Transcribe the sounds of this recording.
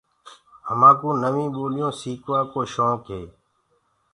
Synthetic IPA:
ɦəmãːkũːnəʋĩːɓoːlɪjõːsiːkʋãːkoːʃõːkʰeː

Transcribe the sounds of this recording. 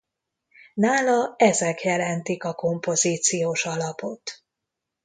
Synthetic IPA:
naːlɒɛzɛkjɛlɛnt̪ikɒko̞mpo̞ziːt̪sijoːʃɒlɒpo̞t̪

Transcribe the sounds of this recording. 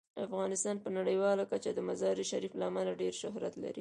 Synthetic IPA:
afɣɑnɪst̪ɑnpənaɽəjwɑlakat͡ʃad̪əmazɑɾiʃaɾiflaːmalaɖeɾʃʊɦɾat̪la̰ɾi

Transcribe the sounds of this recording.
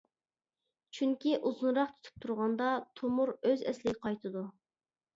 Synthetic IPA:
t͡ʃʰyŋkʲiʔuzunɾɑqt̪ʰy̥t̪ʰy̥p̚t̪ʰuɾʁɑnd̪ɑt̪ʰomuɾøzɛ̰slɪɡʲqʰɑjt̪ʰɨd̪u

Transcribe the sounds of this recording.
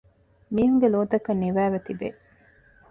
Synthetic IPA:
miːɦuŋɡeloːd̪ɐkɐnːiʋæːʋet̪ibe

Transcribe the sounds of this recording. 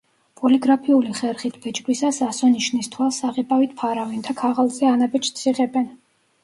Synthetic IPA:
pʼɔliɡɾapʰiuliχɛɾχit̪ʰb̥ɛt͡ʃʼɡwisasasɔniʃnist̪ʰwalˠsaʁɛpʼavit̪̚ʰpʰaɾavint̪ʰakʰaʁalˠzɛanabɛt͡ʃʰʼt̪sʰiʁɛbɛn

